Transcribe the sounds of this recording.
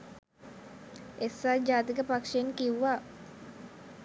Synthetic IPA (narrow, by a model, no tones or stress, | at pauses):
ʔesad͡ʒat̪ikəpakʃainkiwa